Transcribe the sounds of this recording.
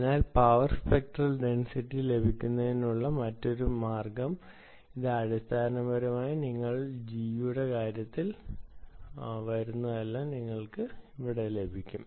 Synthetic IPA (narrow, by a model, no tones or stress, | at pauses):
naːlpɐʋɐrspek̚ʈrɐlɖe̞nsitːile̞bʱikʲːunːɐðenːuɭːɐmɐtːo̞ɾumaːrɡɐm | iðɨɐɽist̪ʰaːɐnɐmbɐɾumaːjiniŋːɐɭd͡ʑijuuɽe̞kaːɾjɐt̪ːil | ʋɐɾunːɐðelːaniŋːɐɭkɨiʋiɽe̞le̞bʱikʲːum